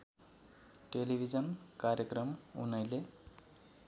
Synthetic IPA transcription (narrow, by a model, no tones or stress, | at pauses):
ʈelibʱid͡zʌnkaɾjʌkrʌmṵnʌjle